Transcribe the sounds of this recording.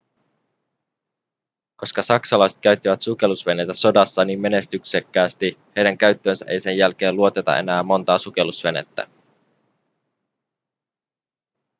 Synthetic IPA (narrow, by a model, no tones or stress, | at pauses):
ko̞skɑsɑksɑlɑjset̪̚kæɥt̪ːiʋæt̪suk̟e̞lusʋe̞net̪æso̞dɑsːɑniːmme̞ne̞st̪yksekːæːst̪ihe̞jdæŋkæɥt̪ːøːnsæʔe̞jse̞njælk̟e̞ːluo̞t̪e̞t̪ɑ̰e̞̰næːmmːo̞nt̪ɑːsuk̟e̞lusʋe̞nḛt̪ːæ̰